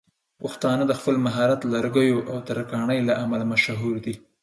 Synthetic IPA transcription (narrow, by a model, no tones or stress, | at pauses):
pʊxt̪ɑnəd̪əxpəlmaɦɑɾat̪laɾɡəjoʔawt̪aɾakɑɳəjlaʔamalamaʃɦuɾd̪i